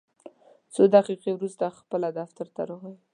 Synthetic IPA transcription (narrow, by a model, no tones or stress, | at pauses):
t͡sod̪aqiqewɾust̪axpəlad̪aft̪aɾt̪a̰ɾoɣaj